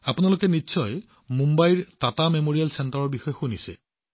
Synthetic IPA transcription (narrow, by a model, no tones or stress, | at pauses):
apʊnalokɛnitːsɔj | mumbajɹtatamemoɹijalsɛntaɹɔɹbixɔjɔxunisɛ̰